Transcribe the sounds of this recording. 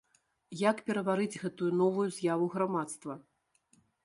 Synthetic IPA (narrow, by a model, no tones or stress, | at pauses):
jakpʲɛɾɐvaɾɨd͡zʲɣɛt̪ujunɔvujuzʲjavuɣɾamat̪st̪vɐ